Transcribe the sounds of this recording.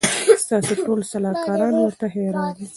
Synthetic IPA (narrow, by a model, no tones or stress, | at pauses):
st̪ɑseʈolsalɑkɑɾɑnwəɾt̪aɦeɾɑdi